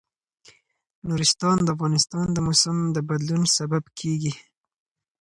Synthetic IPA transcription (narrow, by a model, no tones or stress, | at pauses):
nuɾɪst̪ɑnd̪əafɣɑnɪst̪ɑnd̪əmʊsəmd̪əbad̪lunsababkʰeɡi